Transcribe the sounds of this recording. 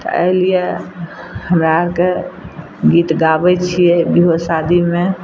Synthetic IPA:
t̪ɔ̰ʔə̰ɪlije | həmɾaɾke | ɡit̪ɡabɛt͡ʃʰijɛbiɦosad̪ime

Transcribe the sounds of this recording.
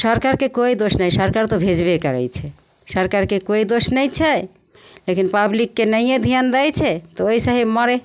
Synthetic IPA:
ʃɔɾkaɾkekoid̪oʃnajʃɔɾkaɾt̪obʱed͡ʑbekaɾḛjt͡ɕʰe | ʃɔɾkaɾkekojd̪oʃnɛjt͡ɕʰe | lekinpablikːenəjjed̪ʱiand̪ajt͡ɕʰet̪oojsaɦibmɔɾe

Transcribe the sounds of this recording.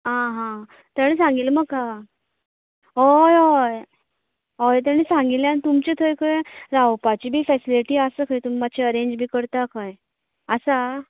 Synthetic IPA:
ɦãɦã | t̪aɽ̃isãŋɡilməɡka | ɦɔjɔj | ɦɔjt̪̬añisãŋɡiljanit̪umt͡ɕet̪ʰəjkʰəɾawpat͡ɕiːbʱiːfɛsiliʈiːasəkʰajt̪umːat͡ɕʰeəɾẽɲd͡ʑbʱiːkəɾt̪akʰaj | əsa

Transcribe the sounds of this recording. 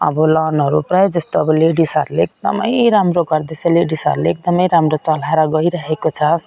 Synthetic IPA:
ʌ̰bɔlanɦʌɾupɾajd͡ʒʌst̪oʌbʌleɖisa̰ɾleek̚d̪ʌ̰mʌjɾamɾoɡʌɾd̪eseleɖisa̰ɾleek̚d̪ʌməjɾamɾot͡sʌlaɾaɡʌiɾʌɦekot͡sʰʌ

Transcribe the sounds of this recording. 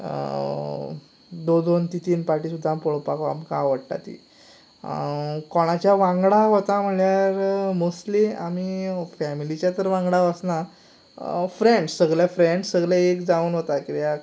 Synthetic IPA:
d̪od̪ont̪it̪iːnpaɾʈisud̪ʱːampoɭpaka̰mkãʋəɽʈa̰t̪ḭ | kɔɽ̃at͡ɕjaʋãŋɡɽaɦot̪am̤əɭjaɾmuslia̰mifɛmilit͡ɕjat̪əɾʋãŋɡɽaəsna | fɾeɳɖssəɡɭjafɾeɳɖssəɡɭaekd͡zauːnɦot̪akiɾja

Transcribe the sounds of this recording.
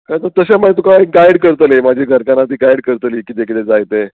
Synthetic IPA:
kat̪ət̪əɕamaet̪ukaiɡajɽkəɾt̪əlemad͡ʑʱiɡʱəɾkanat̪̬iːɡajɽkəɾt̪liːkit̪ekit̪ed͡zajt̪e

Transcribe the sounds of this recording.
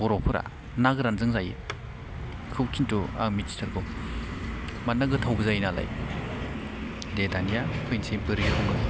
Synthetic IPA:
ɔɾɔpʰɯɾa̰ | naɡɯɾanzɯŋzajḭ | kʰɯwt͡ʃintua̰ŋmitsi̥tʰɯɾɡɔ | manːaɡɯtʰawbɯzajnala̰j | detanijakʰɯjnsʰebɯɾɡikʰɔŋɡɯ

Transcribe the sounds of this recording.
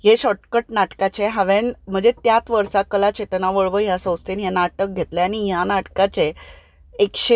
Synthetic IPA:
ɦeɕɔʈkəʈnaʈkat͡ɕeɦaʋenm̤əd͡ʑet̪jat̪ʋəɾsakəlat͡ɕet̪naʋəɭʋəɦjasə̃wst̪enɦenaʈək̚ɡʱet̪leanijanaʈkat͡ɕe | ekɕe

